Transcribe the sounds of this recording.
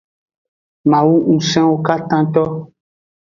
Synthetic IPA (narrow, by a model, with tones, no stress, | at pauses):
mã˨wu˦ŋũ˨sɛ̃˦wo˦ka˦t̪ã˦t̪ɔ˦